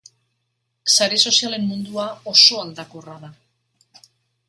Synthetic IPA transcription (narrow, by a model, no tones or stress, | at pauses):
saɾeso̞siale̞mːund̪uao̞so̞ald̪akoraða